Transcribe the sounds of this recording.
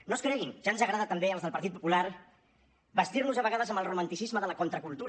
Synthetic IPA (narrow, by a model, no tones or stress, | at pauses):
noskɾɛɣinʒ̥anzəɣɾaðət̪əmbeəlˠzðəlpəɾt̪it̪̚pu̥pulaɾ | bəst̪irnuzəβəɣað̞əzəmbəlˠrumənt̪isizməðələkont̪ɾəkulˠt̪uɾə